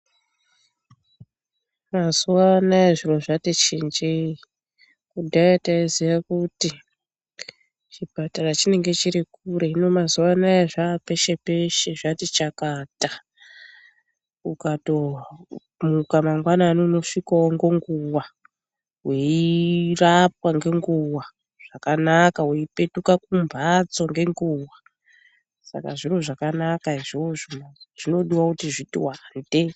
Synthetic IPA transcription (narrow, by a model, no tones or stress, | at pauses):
mazuʋanaeʐiro̞ʐatet͡ʃind͡ʒei | kudʱaataiziʋakuti | t͡ʃibʱatarat͡ʃine̞ŋɡe̞t͡ʃiɾikuɾe̞no̞mazuʋanaaʐape̞ʃe̞pe̞ʃeʐatit͡ʃakata | ukato | mukamaŋɡwanaːnono̞ʂikaoŋɡo̞ŋɡuwa | ɦweirap̚waŋɡe̞ŋɡuwa | ʐ̥akanakaweipe̞tukakumbʱat͡so̞ŋɡe̞ŋɡuːwa | sa̰ka̰ʐiroʐakanakaiʐoʐimaʐ̥ino̞ɗiwakutiʐitḭwande̞